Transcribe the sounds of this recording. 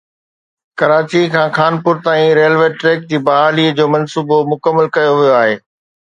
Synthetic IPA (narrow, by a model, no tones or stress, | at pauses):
kɐɾaːt͡ɕikʰãːxaːnpʊɾt̪aːĩɾeːlʋeːʈɾeːk̚d͡ʑiːbɐɦaːliəd͡ʑoːmɐnsuːbomʊkəmːəlkɐjoʋijoaːɦeː